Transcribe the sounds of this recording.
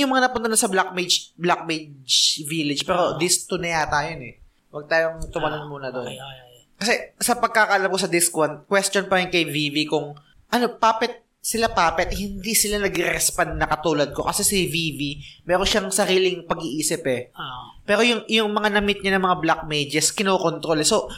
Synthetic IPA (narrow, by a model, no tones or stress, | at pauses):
jʊŋmɐŋanɐpʊnt̪anɐsɐblak̚med͡ʒblak̚mejdd͡ʒvilɪd͡ʒpɛːɾo̞d̪ɪst̪ʊnɐjaːt̪aːjonɛ | wɐɡ̚t̪aːjoŋt̪ʊmɐnonmuːnɐd̪o̞n | kɐsɛsɐpɐɡ̚kakɐʔɐlamkosɐd̪ɪskwɐnd̪̚kwɛst͡ʃonpɐɾɪnkɐjvivikʊŋ | ʔɐno̞paːpɛt̪̚ | sɪlapaːpɛt̪̚hɪnd̪isɪlanɐɡɪɾɛɾɛspand̪̚nɐkɐt̪uːlɐd̪̚ko̞kɐsɛsɪvivimɛːɾo̞ʃaŋsɐɾiːlɪŋpɐɡiʔiːsɪpɛ | pɛːɾo̞jʊŋjʊŋmɐŋanɐmɪt̪̚ɲanɐŋmɐŋablak̚mejd͡ʒɛskɪnoːkont̪ɾo̞lɛso̞